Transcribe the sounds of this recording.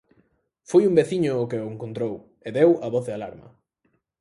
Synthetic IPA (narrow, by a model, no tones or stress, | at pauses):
fojumbeθiɲʊːkɪoeŋkont̪ɾow | eðewɐβɔθðɪalaɾmɐ̰